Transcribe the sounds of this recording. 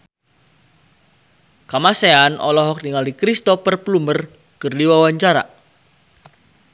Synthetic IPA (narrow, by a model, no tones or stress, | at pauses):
kamaseanʔɔ̰lɔɦɔk̚niŋalikɾist̪ɔpərplumər | kərdiwawaɲt͡ʃaɾa̰